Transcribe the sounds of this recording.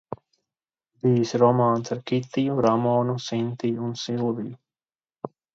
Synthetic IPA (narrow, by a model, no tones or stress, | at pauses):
biːsɾɔmaːnsaɾkʲit̪ijuɾamɔːnusint̪iːunsilˠviju